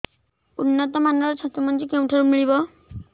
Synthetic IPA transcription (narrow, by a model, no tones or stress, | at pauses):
unːɔt̪ɔmanɔɾt͡ʃʰat̪imɔnd͡ʑikew̃ʈʰaɾumiɭibɔ